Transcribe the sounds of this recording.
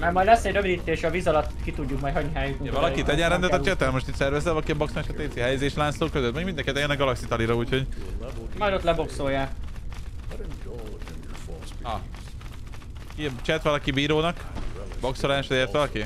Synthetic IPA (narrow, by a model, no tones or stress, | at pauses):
mɛjmɒjd̪lɛsːɛɟɾøvid̪iːt̪ːeːʃɒviːzɒlɒt̪ːkit̪uɟːukmɒjtɦɒɟɲiɦaːjukmɛvɒlɒkit̪ɛɟɛnɾɛnd̪ɛt̪ɛt͡ʃɛt̪ɛlmo̞ʃt̪it̪ʲsɛrvɛzɛlɒlkiɒboksoaːʃɒt̪eːt̪siɦɛjɛzeːʃlaːnsloːkøzøt̪mɛɡmind̪ɛŋkit̪ɛjɛnɛɡɒlɒksit̪ɒliɾɒuːcho̞ɟ | mɒjd̪ot̪lɛbo̞kso̞jːaː | ɒ | kit͡ʃɛt̪ʋɒlɒkibiːɾoːnɒkbo̞ksolaːʃd̪ɛeːt̪ʋɒlɒki